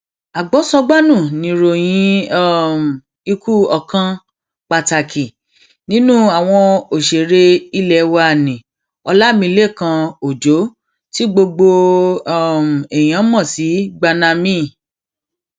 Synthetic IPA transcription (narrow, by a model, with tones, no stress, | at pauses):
a˨ɡ͡bɔ˨˦sɔ˧ɡ͡ba˦nũ˦˨nĩ˨˦ɾo˨j̃ĩ˧ɔ˦˨m̩˨ | i˧kʰu˦ɔ˧kã˧ | k͡pa˧˨ta˨kʰi˨ | nĩ˨˦nũ˦a˨w̃ɔ̃˧o˨ʃe˨ɾe˧i˦lɛ˧˨wa˧˨nĩ˨ | ɔ˧la˦mĩ˧˦le˦˨kã˧o˨d͡ʒo˨˦ | ti˦ɡ͡bo˧ɡ͡bo˧˦˨ | m̩˨e˨j̃ã˨˦mɔ̃˦˨si˨˦ɡ͡ba˧na˧mĩ˦